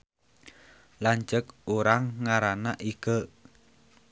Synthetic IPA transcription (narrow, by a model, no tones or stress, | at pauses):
laɲt͡ʃək̚oɾaŋːaɾanaʔiɡ̥ə